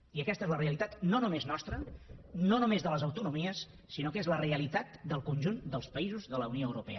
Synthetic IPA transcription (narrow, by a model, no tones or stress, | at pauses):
iəkɛst̪ezləreəlit̪at̪nonumeznɔst̪ɾənonumezðələzəwt̪unumiəsː | inokezləreəlit̪at̪̚d̪əlˠkunʲʒund̪əlˠspəizuzðələunioəwɾupɛə